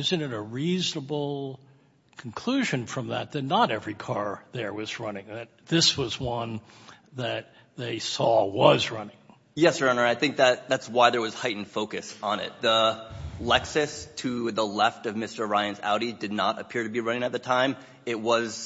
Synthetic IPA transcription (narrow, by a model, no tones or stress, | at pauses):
ɪzɨ̃nɨɾəɹiznəbl̩ˠ | kʰn̩kʰl̥uʒɨ̃nfɹʌ̃mðət̪̚ðɨtⁿnəɾɛvɹikʰɑɹðə˞wʌzɹʌnɪ̃ŋðɨt̪̚ðɪswʌzwʌ̃n | ðɨt̪̚ | ðeɪsɔwʌzɹʌnɪ̃ŋ | jɛsɹʌ̃nə˞aɪθɪ̃ŋk̚ðɨt̪̚ðætswaɪðə˞wʌz̥haɪʔn̩d̥foʊkɨsn̩ɪ̰t̪̚ðəlɛksɨstʰɨðəlɛftʌvmɪstə˞ɹaɪɨ̃nza̰ʊɾidɨdⁿnə̰ɾɨ̰pʰɪɹɾɨbiɹʌ̃nɪ̃ŋɨt̪̚ðɨtʰãɪ̃m | ɪt̚wʌz̥